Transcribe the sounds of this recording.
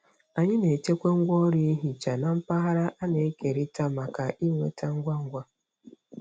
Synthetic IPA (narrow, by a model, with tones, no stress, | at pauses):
a˨ɲɪ˦ne˨t͡ʃe˦kʷe˦ŋ̩˦ɡʷɔ˦ɾi˦ɦi˨t͡ʃa˨na˨m̩˦pa˦ɦa˦ɾa˦ʔa˦ne˨˦ke˨ɾi˦ta˦ma˨ka˨ʔi˦ŋʷḛ˦ta˦ŋ̩˦ɡʷa˦ŋ̩˦ɡʷa˦